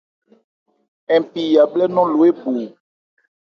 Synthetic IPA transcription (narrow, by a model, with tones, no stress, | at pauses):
ɛ̃˨pi˨ja˨blɛ˦nɔ̃˦lo˨e˦bo˨